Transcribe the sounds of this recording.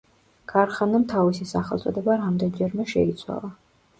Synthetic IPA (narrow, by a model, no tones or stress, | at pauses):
ɡ̥ʰaɾχanamt̪ʰavisisaχɛlˠt̪sʼɔd̪ɛbaɾamd̪ɛnd͡ʒɛɾmɛʃɛ̰it̪sʰwa̰lˠa